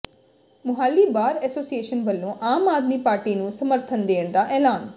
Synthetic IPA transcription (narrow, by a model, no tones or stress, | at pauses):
mʊɦaːlːiːbaːɾɛːsoːsieːʃənbɐlːõʔaːmaːd̪mipaːɾʈinũːsɐməɾt̪ʰənd̪eːəɽ̃d̪aːʔɛːlaːn